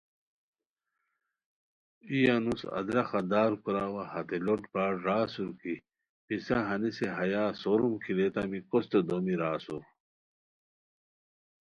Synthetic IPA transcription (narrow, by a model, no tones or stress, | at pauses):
ijanusɐ̰d̪ɾɐxɐd̪aːɾkuɾaːwahɐt̪eloʈpaːʈɾaːsuɾki | pisaɦɐniseɦɐjaːsoɾumkʰilet̪amikost̪od̪omiɾaːsuɾ